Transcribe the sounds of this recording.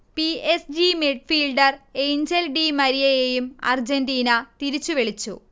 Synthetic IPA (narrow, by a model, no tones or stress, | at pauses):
piesd͡ʑimeɖfiːlɖɐre̞jnd͡ʑelɖimɐɾijɐjejumɐ̰rd͡ʑendiːnɐt̪iɾit͡ɕːuʋeɭit͡ɕːṵ